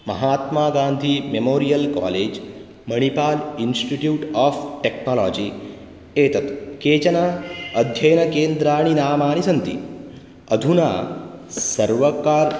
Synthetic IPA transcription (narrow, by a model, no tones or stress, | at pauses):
mɐ̰ɦaːt̪maːɡãːnd̪ʱimemoːɾijɐlka̰ːleːd͡ʒ | mɐɽ̃ipaːlinsʈiʈjuːʈaːfʈeknɔːlɔ̰ːd͡ʒi | eːt̪ɐt̪keːt͡ʃɐnaɐd̪ʱjɐjnɐkeːnd̪ɾaːɽ̃inaːmaːnisɐnt̪ḭ | ɐd̪ʱuna̰ːsɐɾʋɐkaːɾ